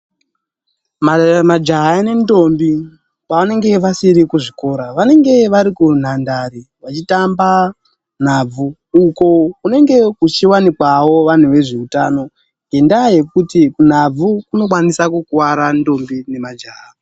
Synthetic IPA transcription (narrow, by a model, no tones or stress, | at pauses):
mamad͡ʒaɦane̞ndo̞mbi | waane̞ŋɡe̞ʋasiɾikuʐiko̞ːɾaʋane̞ŋɡe̞ʋaɾikun̤andaɾi | ʋat͡ʃitamba | n̤ab͡vuː | ko̞kune̞ŋɡe̞kut͡ʃiwanikwawo̞ʋan̤uʋe̞ʐe̞utano̞ | ŋɡe̞ndaje̞kutikun̤ab͡vukuno̞k̬wanisakukuwaɾando̞mbine̞mad͡ʒaɦa